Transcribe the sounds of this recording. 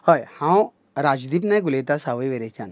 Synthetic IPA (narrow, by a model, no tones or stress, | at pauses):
hojhãw | ɾaːd͡ʒd̪ipnɐɡʊlet̪asaʋeʋeɾet͡ʃan